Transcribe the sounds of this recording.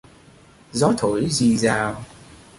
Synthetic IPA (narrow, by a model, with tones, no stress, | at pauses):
zɔ˨˦t̪ʰo̰˧˨˦jzi˨˩zaː˨˩w